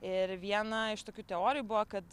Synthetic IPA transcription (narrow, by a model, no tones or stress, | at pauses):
ɪɾʋʲiɛnɐɪʃt̪oːkʲuːt̪ʲɛoːɾʲɪjuːbʊʋɐkɐt̪